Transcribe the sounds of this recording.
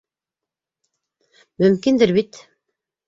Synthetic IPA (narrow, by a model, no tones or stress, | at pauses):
mɵ̆mkind̪ɘɾβit̪